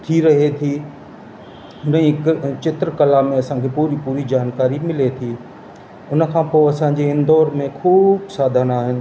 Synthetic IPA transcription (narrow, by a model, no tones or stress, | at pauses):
t̪ʰiɾɐɦet̪ʰi | ʊnĩkt͡ɕɪt̪ɾəkɐlamẽɐsãkʰepuːɾipuːɾid͡ʑaːnkaːɾimɪlet̪ʰiː | ʊn̆kʰãːpoːɐsãɲd͡ʑeɪ̃nd̪ɔːɾmẽkʰuːbsaːd̪ʱaːnaːɦɪnɪ̆